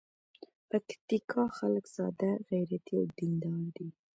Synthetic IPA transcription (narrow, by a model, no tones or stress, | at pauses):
pakt̪ikʰɑxaləksɑ̰d̪aɣajɾat̪ia̰wd̪ɪnd̪ɑnd̪i